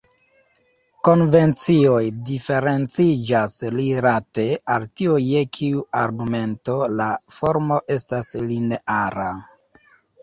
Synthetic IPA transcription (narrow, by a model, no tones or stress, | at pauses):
ko̞nve̞nt͡sio̞jdife̞ɾe̞nt͡sid͡ʒasliɾate̞altioje̞kʰiuaɾɡume̞nto̞lafo̞ɾmo̞ʔe̞stasline̞ʔaɾa